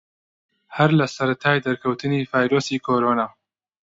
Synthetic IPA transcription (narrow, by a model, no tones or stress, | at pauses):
hɐɾlɐsɐɾɐt̪ʰaːjd̪ɐɾkʰɐwt̪ʰɨniːvaːjɾoːsiːkʰoːɾoːnaː